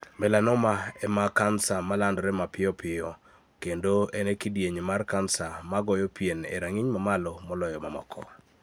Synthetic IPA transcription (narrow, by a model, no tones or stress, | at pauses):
mɛlanɔmaɛmakansamalandɔɾɛmapɪjɔpʰɪɔ | kendoenekidjeɲemarkansamaɡɔjɔpjenḛɾaŋiɲmamalɔmɔlɔjɔmamɔ̰kʰɔ̰